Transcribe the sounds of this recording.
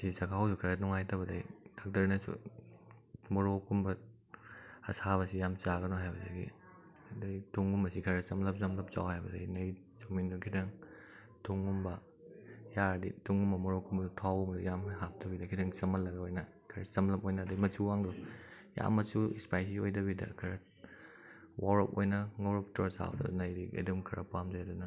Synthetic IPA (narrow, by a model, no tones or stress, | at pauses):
sisɐkʰawsukʰɐɾɐnuŋajtɐbɐdɐjdak̚tɐɾnɐs | mɔɾokumbɐ | ɐ̰saβɐsijamt͡ʃaɡɐnɔɦajbɐdɐjɡḭ | dɐjtʰuŋːumbɐsikʰɐɾɐsɐmlɐp̚sɐmlɐp̚t͡ʃa̰whajbɐdɐjnɐj | t͡ʃomindukʰidɐŋ | tʰuŋːumbɐ | jaɾdḭtʰuŋumːɐmɔɾokʰumbɐdtʰawmɐdijamɦap̚tʰɐbidɐkʰidɐŋt͡ʃɐmɐlːɐɡɐojnɐ | kʰɐɾɐ̰sɐmlɐpojnɐːdɐjmɐt͡ʃuwaŋɾɔ | ja̰mːɐt͡ʃuispajs̬iojdɐβidɐ̰kʰɐɾɐ | wawɾɐpojnɐŋoɾɐp̚tɔsa̰w̰dɐ̰nɐjɾiɐ̰dumkʰɐɾɐ̰pamzajɐdunɐ